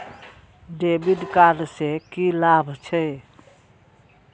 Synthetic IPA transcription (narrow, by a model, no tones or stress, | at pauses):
ɖebiɖkaɾsekilabʱt͡ʃʰəj